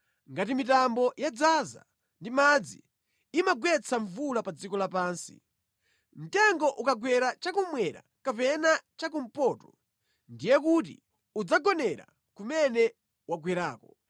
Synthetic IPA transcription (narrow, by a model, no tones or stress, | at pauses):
ŋɡatimitambɔjad͡zaza̰ | ndimad͡zi | imaɡwɛt͡sʰaɱvulapad͡zikɔlapaːnsḭ | m̩tɛŋɡɔʔukaɡwɛɾat͡ʃakumwɛɾa̰kapɛnat͡ʃak̬um̩pɔːtɔ | ndijɛkut̬ḭ | ud͡zaɡɔnɛɾa̰ | kumɛnɛ | waɡwɛɾaːkɔ